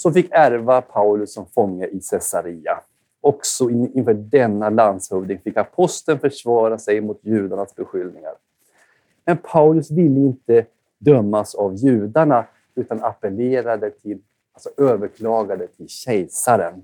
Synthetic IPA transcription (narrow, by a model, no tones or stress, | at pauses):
sɔfɪkːæɾvapʰaʊlɵsːɔmfɔŋːəʔɪsɛsaɾiːa̰ | ɔksɔɪɪnfœːɖɛnːaland̪shɵvd̪ɪŋfɪkːapʰɔst̪ənfœʂvɑːɾasɛjmʊt̪jʉ̟ːd̪aɳasbɛɧʏlnɪŋa̰ɾ | mɛnpʰaʊlɵsvɪlːəɪnt̪ə | d̪œmːasavjʉ̟ːd̪aɳa | ʉ̟ːt̪anapəleːɾad̪ət̪ʰɪl | alsɔʔøːvəɾkʰlɑːɡad̪ət̪ʰɪlɕɛjsaɾən